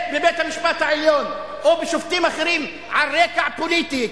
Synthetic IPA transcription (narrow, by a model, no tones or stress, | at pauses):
bebejt̪hamiʃpat̪haʕeljo̞n | ʔobeʃoft̪imaχeɾim | ʕalʁekaʕpolit̪i